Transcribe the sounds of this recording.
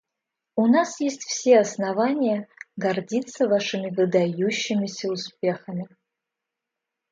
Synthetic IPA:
unasjesʲtʲfsʲe̞asnavanʲɪjɐɡɐrdʲit̪sɐvaʂɨmʲɪvɨd̪ajuɕːɪmʲɪsʲɐuspʲe̞xɐmʲɪ

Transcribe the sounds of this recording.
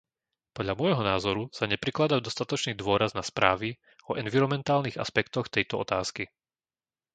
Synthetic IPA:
pɔd̪ʎamɔjɦɔnaːzɔɾusaɲɛpɾiklad̪aʊd̪ɔst̪at̪ɔt͡ʃniːd̪ʋʊɔɾaznaspɾaːʋi | ɔʔɛnʋiɾɔmɛnt̪aːlniːɣa̰spɛkt̪ɔxt̪ɛjt̪ɔɔ̰t̪aːski

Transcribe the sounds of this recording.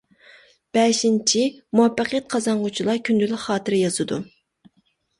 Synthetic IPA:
b̥ɛʃint͡ʃʰimuɛpːɑqʰjɑt̪̚qʰɑzɑɴʁʊt͡ʃʰilˠɑkʲʰynd̪ylɪχɑːt̪ʰɨɾɪjɑz̥ɨd̪u

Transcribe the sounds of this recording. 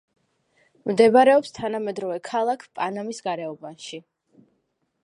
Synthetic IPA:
md̪ɛbaɾɛɔpst̪ʰanamɛd̪ɾɔvɛkʰalˠakʰpʼanamisɡaɾɛɔbanʃi

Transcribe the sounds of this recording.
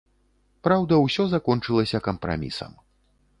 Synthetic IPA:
pɾawd̪ɐwsʲɔzakɔnt͡ʂɨlˠɐsʲɐkɐmpɾa̰mʲḭsɐ̰m

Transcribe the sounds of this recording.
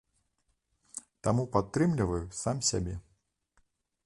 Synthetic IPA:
t̪amupat̪ːɾɨmlʲivɐjusamsʲa̰bʲɛ

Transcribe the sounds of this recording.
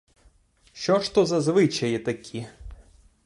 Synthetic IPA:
ʃt͡ʃɔʃt̪ɔzɐzʋɪt͡ʃɐjɛt̪ɐkʲʰi

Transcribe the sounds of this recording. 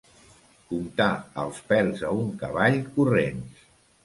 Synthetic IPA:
kumt̪aə̰lˠspɛlzəuŋkəβaʎkurens

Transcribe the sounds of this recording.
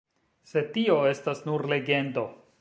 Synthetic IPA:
se̞tio̞e̞stasnuɾle̞ɡe̞ndo̞

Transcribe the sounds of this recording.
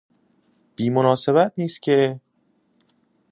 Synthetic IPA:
b̥iːmonɒːse̞βæt̪̚niːst̪cʰe̞

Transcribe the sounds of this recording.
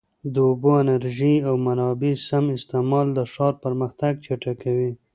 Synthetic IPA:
d̪əʊboanaɾʒiawmaɾɑbisamɪst̪ɪmɑld̪əʂɑɾpəɾməxt̪aɡt͡ʃaʈakawi

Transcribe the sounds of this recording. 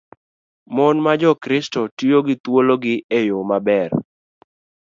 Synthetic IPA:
mɔnmad͡ʒɔkɾɪstɔtioɡɪt̪woloɡɪejʊmabɛr

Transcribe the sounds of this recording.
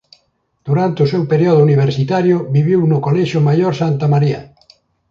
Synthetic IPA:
d̪̥uɾant̪eʊsewpeɾjɔðʊuniβ̞eɾsit̪aɾjʊβiβiwnʊkoleʃʊmajoɾsant̪amaɾiɐ̰

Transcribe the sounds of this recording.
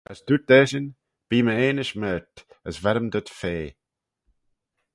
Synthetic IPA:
əzd̪ud̥̪ɛːʃən | b̥iːməeːnəʃmɛːtəzvɛɾəmd̪ətfeː

